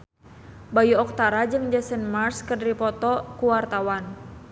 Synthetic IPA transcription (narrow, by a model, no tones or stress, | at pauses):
bajuɔk̚t̪aɾad͡ʒɨŋd͡ʒɛsɛnmarskədɾipɔt̪ɔkuwart̪awan